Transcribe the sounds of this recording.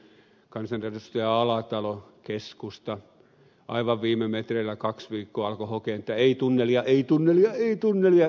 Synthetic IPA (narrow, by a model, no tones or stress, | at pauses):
kɑnsɑnrerust̪ɑjɑɑlɑt̪ɑlokeskust̪ɑ | ʔɑ̰iʋɑʋʋiːmemet̪reilːˑækɑksʋiːkːoːɑlkohokeˑnet̪ːæeit̪unːeliɑʔeit̪unːelijɑeit̪unːelijɑ